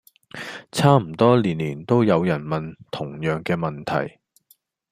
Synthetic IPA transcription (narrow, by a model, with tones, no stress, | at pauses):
t͡sʰaː˥m̩˨˩t̪ɔː˥liː˨˩nliː˨˩nt̪o˥wjɐ˨˧wjɐ˨˩nmɐ˨nt̪ʰʊ˨˩ŋjœː˨˩ŋkɛː˧mɐ˨nt̪ʰɐ̰˨˩j